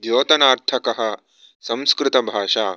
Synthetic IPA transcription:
d̪joːt̪ɐnaːɾt̪ʰɐkɐɦɐ | sɐ̃mskɾɪt̪ɐbʱaːʂaː

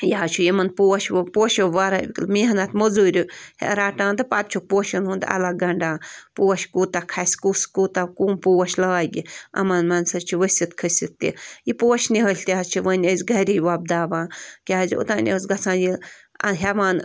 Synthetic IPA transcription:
jaːt͡ʃʰujimɐnpuɐʃpoːʃoʋaɾabʲiklmiɦɐnat̪mozuːɾʲuhḛɾaːʈãːnt̪ɨpat̪̚t͡ʃʰuk̚poːʃɐnɦund̪ɐ̰laɡɐɳɖaːpuɐʃkuːt̪akʰɐsʲkuskut̪akuːmpuwɐʃlaːjɡiɐ̰mɐnmɐnsɐt͡ʃʰiʋəsʲit̪kʰəsʲit̪ːḭjipoːʃniɦɐlʲt̪ʲaːt͡ʃʰiʋənʲəzʲɡɐɾʲijʋab̚d̪aːʋãːkʲaziṵt̪aːnʲḭsɡɐt͡sʰãːnjḭɦɐʋaːn

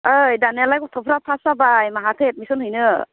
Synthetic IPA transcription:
ɯjdanelajkɔtʰɯpʰɾapʰasabajmaɦatʰet̚misɔnhɯjnɯ

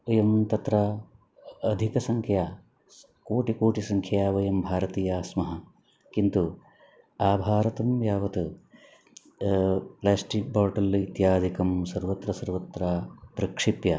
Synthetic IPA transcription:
ɐjɐmt̪ɐt̪ɾa | ɐd̪ʱikɐsɐŋkʰjaː | koːʈikoːʈisɐŋkʰjaːʋɐjɐmbʱaːɾɐt̪iːjaːsmɐɦɐ | kint̪u | aːbʱaːɾɐt̪ɐmjaːʋɐt̪u | plaːsʈik̚baːɾʈɐlit̪jaːd̪ʱikɐmsɐɾʋɐt̪ɾɐsɐɾʋɐt̪ɾaːpɾɐkʂipjɐ

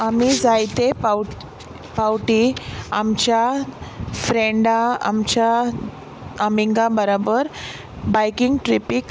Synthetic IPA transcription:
amid͡zajt̪epa | pawʈiamt͡ɕja | fɾeɳɖaa̰mt͡ɕja | əmiŋɡabəɾabəɾ | bajkiŋɡʈɾipik

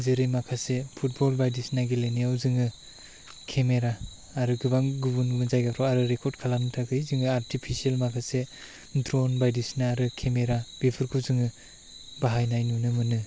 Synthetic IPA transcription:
zeɾɯjmakʰasepʰut̚bolbajdisnaɡileniawzɯŋɯ | kʰemeɾaː | ɾɯɡɯbaŋɡubunɡɯbɯnzajɡapʰɾɔaɾɯɾekʰɔɾdkʰalanɯtʰakʰɯjzɯŋɯaɾtʰipʰisielmakʰase | ndɾonbajdisnaːɾɯkʰemeɾab̥ipʰɯɾkʰuwzɯŋɯ | baɦajnajnunɯmɯnɯ

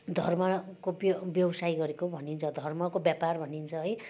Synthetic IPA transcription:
d̪ʱʌrmakobbjʌwsajɡʌɾekobʱʌnint͡sʰʌd̪ʱʌrmʌkobjaparbʱʌnint͡sʰʌɦʌj

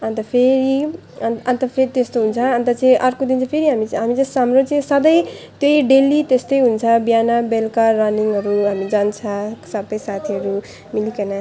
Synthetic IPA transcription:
ʌnt̪ʌpʰeɾi | ʌnt̪ʌpʰeɾit̪est̪oɦunt͡sʰʌːnt̪ʌt͡saĩʔʌrkod̪int͡sʰʌ̃pʰeɾiɦamiɦamit͡sʌ̃samɾot͡saĩsʌd̪ʌj | t̪jojɖelit̪est̪ʌjɦunt͡sʰʌbjanabelkarʌniŋʌɾuɦamid͡zant͡sʰʌsʌbʌjsat̪ʰiʌɾu | milikʌna

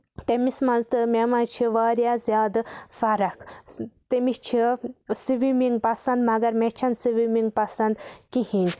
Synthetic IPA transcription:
t̪emismɐ̃nzt̪ɨmʲemãːt͡ʃʰiʋaːɾjaːzjaːd̪fɐɾɐkʰt̪emit͡ʃʰisiʋimiŋɡ̚pɐsɐnd̪mɐɡɐɾmet͡ʃʰɐnsiʋimiŋɡ̚pɐsɐnd̪kihinʲ

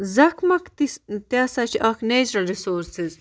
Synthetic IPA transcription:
zɐkʰmɐkt̪it̪jaːsat͡ʃiʔakneːt͡ʃɾɐlɾisoːɾsiz

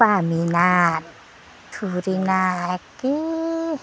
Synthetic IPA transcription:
paːminat̪̚ | kʰuɾinaki

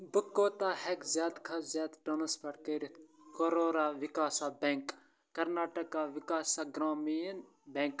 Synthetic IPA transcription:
bəkːoːt̪aːhɛkzjaːd̪kʰɐzʲjaːd̪ɖoːnɐspʰɐɽkeɾikoɾoːɾaːʋɪkaːsabɛŋkː | ɐɾnaːʈəkaːʋɪkaːsaːɡɾaːmijən | bɛ̃ŋk

